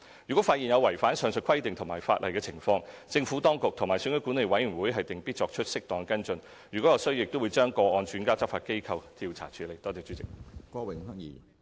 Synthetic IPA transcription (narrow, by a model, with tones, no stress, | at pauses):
jyː˨˩kʷwɔ˨˥faː˧t̚jiː˨njɐ˨˧wɐ˨˩jfaː˨˥nsœː˨˥ŋsɵ˧t̚kʰɐ˥jt̪ɪ˨ŋt̪ʰʊ˨˩maː˨˩jfaː˧t̚lʔɐ̰˨jkɛː˧t͡sʰɪ˨˩ŋfɔː˧ŋt͡sɪ˧ŋfuː˨˥t̪ɔː˥ŋkʊ˨k̚t̪ʰʊ˨˩ŋmaː˨˩jsœ˧˥ŋkɵ˨˧˥kuː˨˥ne˨jwɐ˨˥jy˨˩nwuː˨˥jɦɐ˨jt̪ɪ˨˩ŋpiː˥t͡ʃɔː˧k̚t͡ʃʰɵ˥t̚sɪ˥k̚t̪ɔː˨ŋɛ˧kɐ˥nt͡sɵ˧n | jyː˨˩kɔ˨˥ɔ˨˧sɵ˥ɥjɪ˨k̚t̪o˥wuː˨˧jt͡ʃœː˥ŋkɔː˧ɔː˧nt͡ʃyː˨˥nkaː˥t͡sɐ˥p̚faː˧t̚ke˥jkʰɐ˧wt̪ʰiː˧wt͡sʰa̰ː˨˩t͡ʃʰyː˨˧le˨jt̪ɔː˥t͡sɛː˧t͡ʃy˨˥t͡sɪ˨k̚kɔː˧wɪ˨˩ŋɦɐ˥ŋjḭː˨˩